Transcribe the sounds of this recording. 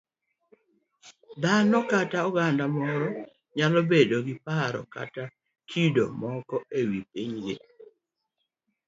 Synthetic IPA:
d̪anɔkataɔɡandamɔɾɔ | ɲalɔbedoɡɪpaɾɔ̰ka̰ta | t͡ʃido̰mɔkɔewip̚iɲɡe

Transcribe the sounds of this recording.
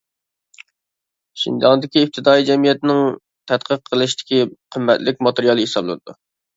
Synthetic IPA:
ʃḭnd̪ɑnd̪ɪkʲiːp̚t̪ʰɪd̪ɑːid͡ʒɛmijɛt̪ɪnɪŋ | t̪ʰɛt̪qʰəqʰːəlˠɨʃt̪ɪ̥kʲiqʰəmːɛt̪lɪk̚ʲmɑt̪eɾijɑlˠɨhesɑblˠɨ̰nɨd̪̥u

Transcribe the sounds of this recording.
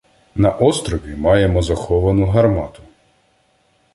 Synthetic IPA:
nɐʔɔst̪ɾɔʋʲimɑjemɔzɐxɔʋɐnʊɦɐrmɑt̪ʊ̥

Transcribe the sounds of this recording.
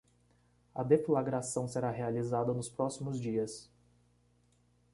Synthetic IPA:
ɐd̪eflaɡɾasɐ̃w̃seɾaɦealizad̪ɐnʊspɾɔsimʊzd͡ʒiɐs

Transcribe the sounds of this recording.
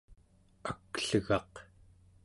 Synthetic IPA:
akɬəɣɑq

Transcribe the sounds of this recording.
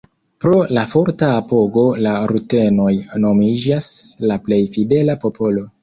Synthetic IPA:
pɾo̞lafo̞ɾtaːpo̞ɡo̞laɾute̞no̞jno̞mid͡ʒaslaple̞jfide̞lapo̞pʰo̞lo̞

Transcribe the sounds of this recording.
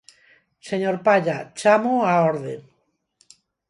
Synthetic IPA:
seɲoɾpaʎat͡ʃamoaoɾðe

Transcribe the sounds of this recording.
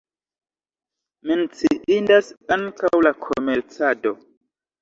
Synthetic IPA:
mint͡siʔindasaŋkawlakʰomeɾt͡sado

